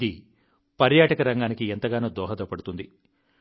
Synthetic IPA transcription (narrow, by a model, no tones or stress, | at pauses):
i | pɐɾjaːʈɐkɐɾɐŋɡaːnikient̪ɐɡaːnoːd̪ɔːɦɐd̪oːpɐɽut̪und̪i